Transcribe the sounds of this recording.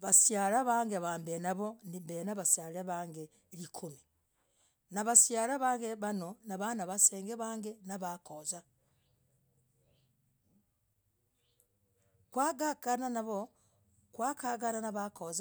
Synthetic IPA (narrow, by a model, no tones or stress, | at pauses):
βasjaɾaβaːŋɡeβaːmbenaβonimbenaβasjaɾeβaːŋɡe | ɾikʰumi | naβasjaɾaβaːŋɡeβanonaβanaβaseːŋɡeβaːŋɡenaβakoza | kwaɡakananaβo | kwakaɡananaβakoza